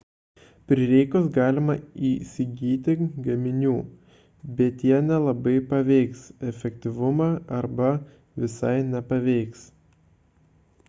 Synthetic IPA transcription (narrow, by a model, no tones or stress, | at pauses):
pʲɾʲɪɾʲɛɪkʊsɡɑːlʲɪmɐiːsʲɪɡʲiːt̪ʲɪɡɐmʲɪnʲuː | bʲɛt̪jiɛnʲɛlˠɐbɐɪpɐʋʲɛɪksɛfʲɛk̚ʲt̪ʲɪʋʊmɑːɐɾbɐ | ʋʲɪsɐ̰ɪnʲɛpɐʋʲɛɪks